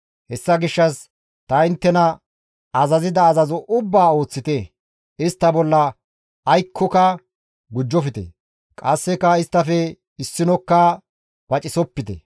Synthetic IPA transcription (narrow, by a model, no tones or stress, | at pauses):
hɛsːɐɡɪʃːɐs | t̪ɐɪnt̪ːɛnɐ | ɐzɐzɪd̪ɐːzɐzɔʔʊbːaːo̞ːt͡sːɪt̪e | ɪst̪ːɐbɔlːɐː | jkʰːɔkɐ | ɡʊd͡ʒːɔfɪt̪ɛ̰ | kʼɐsːɛkɐɪst̪ːɐfɛ | ɪsːɪnɔkːa | b̥ɐt͡ʃʼɪsɔpːɪt̪ɛ̰